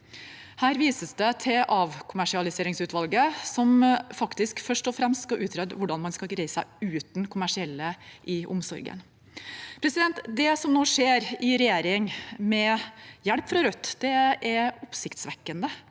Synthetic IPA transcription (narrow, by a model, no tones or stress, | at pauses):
hæːɾʋiːsəsd̪ɛt̪ʰɪʔɑʋkʰʊmæʂɪɑlɪseːɾɪŋsʉːt̪ʰʋɑlɡəsɔmfɑkt̪ɪskfœʂʈɔfɾɛmst̪kɑʔʉːt̪ʰɾɛd̪ʋʊɖɑnmɑnskɑɡɾæɪsæɪʉːt̪nkʰʊmæʂɪɛlːəʔɪʔʊ̰msɔ̰ɾɡə̰n | pʰɾɛsɪd̪ɛnt̪d̪ɛsɔmnoːʂeːɾɪɾɛjeːɾɪŋmɛjæɽpfɾɑɾœt̪ːd̪̥ɛʔɛɾɔpsɪkt̪sʋɛkːənd̪ə